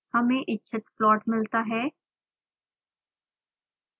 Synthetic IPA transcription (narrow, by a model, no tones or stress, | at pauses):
həmẽʔɪtːʃʰət̪plɔːʈmɪlt̪aɦɛː